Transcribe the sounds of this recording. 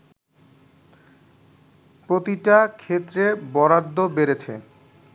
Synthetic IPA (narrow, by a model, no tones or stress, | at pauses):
pɾot̪iʈakʰet̪ːɾebɔɾad̪ːobeɾet͡ɕʰḛ